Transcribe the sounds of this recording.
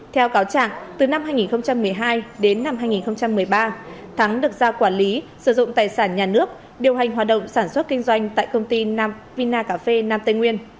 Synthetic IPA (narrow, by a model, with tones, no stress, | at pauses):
t̪ʰɛ˧wkaː˨˦wt͡ɕa̰ː˧˨ŋt̪ɨ˨˩na˧mhɦaː˧jŋi˨˩nxə˧wŋ͡mt͡ɕa˧mːɨ˨˩əjɦaː˧jɗe˨˦nːa˧mhɦaː˧jŋi˨˩nxə˧wŋ͡mt͡ɕa˧mːɨ˨˩əjɓaː˧t̪ʰa˨˦ŋɗɨ˨˩ək̚zaː˧kwaː˧˩nli˨˦sɨ˧˩zʊ̰˧˨ŋ͡mt̪aː˨˩jsaː˧˩nɲaː˨˩nɨ˦˥ək̚ | ɗi˨˩əwɦa˨˩ŋ̟ɦaː˨˩t̚ɗə̰˧˨wŋ͡msaː˧˩nswə˦˥t̚kï˧ŋ̟zwa˧jŋ̟t̪a̰ː˧˨jkə˧wŋ͡mt̪i˧naː˧m | vi˧naː˧kaː˧˦˩fe˧naː˧mt̪ə˧jŋwi˧ən